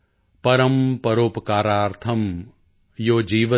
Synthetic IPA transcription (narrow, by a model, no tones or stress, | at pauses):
pɐɾɐmpɐɾoːpɐkaːɾaːɾt̪ʰɐm | joːd͡ʒiːʋɐ